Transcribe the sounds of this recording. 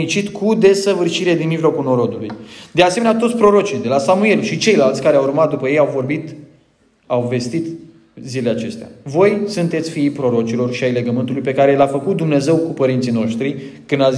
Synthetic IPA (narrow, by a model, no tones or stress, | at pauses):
it͡ʃit̪kʰud̪e̞səvɨrʃiɾed̪inmiʒlo̞kulno̞ɾo̞d̪ulujd̪easemenʲat̪ot̪sʲpɾo̞ɾo̞t͡ʃid̪e̞lasamue̞lʃit͡ʃe̞jlalt̪sʲkaɾeawurmat̪̚d̪upəje̞jawvo̞rbit̪ | awve̞st̪it̪ | zileleat͡ʃe̞st̪ea̰vo̞jsunt̪e̞t̪sʲfiipɾo̞ɾo̞t͡ʃilo̞rʃiajle̞ɡəmɨnt̪ulujpe̞kaɾelafəkut̪̚d̪umne̞ze̞wkupəɾint̪sijno̞ʃt̪ɾikɨnd̪a